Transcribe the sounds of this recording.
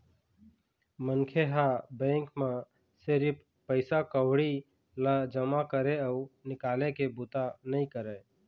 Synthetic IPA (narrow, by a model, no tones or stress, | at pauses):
mənkʰeɦabɛ̃ːŋkmã | seɾɪpːəɪsakəwɽi | lad͡ʒəmakəɾeəunɪkaːlẽkebʊt̪anəĩkəɾeː